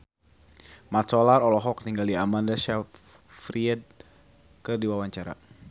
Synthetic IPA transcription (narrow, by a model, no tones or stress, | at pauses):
mat̪sɔlarɔlɔɦɔk̚niŋɡaldiamandaʃɛ | fɾiɛd̪̚ | kərdiwawaɲt͡ʃaɾa̰